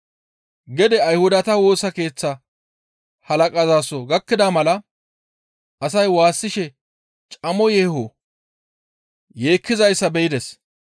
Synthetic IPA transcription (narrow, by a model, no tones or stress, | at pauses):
ɡɛd̪ɛɐjhʊd̪ɐt̪ɐwo̞ːsɐke̞ːt͡sːɐ | hɐlɐkʼɐzaːsɔɡɐkːɪd̪amɐlɐ | ʔɐs̬ɐjwaːsːɪʃɛ | t͡ʃʼɐmɔjɛːhɔ | je̞ːkːɪzɐjsːɐbɛjɪd̪ɛs